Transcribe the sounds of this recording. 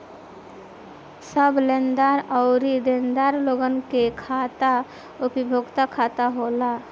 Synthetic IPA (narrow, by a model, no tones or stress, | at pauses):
səblend̪aɾəʊɾid̪ẽnd̪aːɾloɡənkekʰat̪a | ʊpibʱoɡt̪akʰat̪aɦola